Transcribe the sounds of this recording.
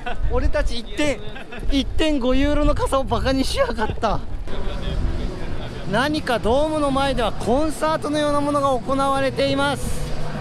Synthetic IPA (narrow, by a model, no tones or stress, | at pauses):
o̞ɾe̞t̪at͡ɕiːt̪ːẽ̞ɰ̃ | it̪ːẽ̞ŋɡo̞jɯːɾo̞no̞kasaobakaɲ̟iɕiakat̪ːa | naɲ̟ikad̪o̞ːmɯ̟no̞mae̞d̪e̞β̞akʰõ̞ɰ̃saːt̪o̞no̞jo̞ːnamo̞no̞ɡaoko̞naβaɾe̞t̪e̞imasɨ̥